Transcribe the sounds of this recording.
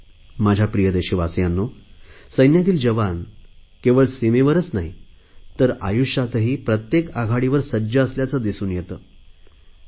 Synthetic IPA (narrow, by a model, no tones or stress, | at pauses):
mad͡ʑʱjapɾijəd̪eɕiːʋasjanːosəjnjat̪iːld͡ʑəʋan | keʋəɭsemeʋəɾət͡snaɦi | t̪əɾa̰juʂat̪əɦiːpɾət̪jekaɡʱaɽiʋəɾsəd͡ʑəːsljat͡səd̪isuːnjet̪əː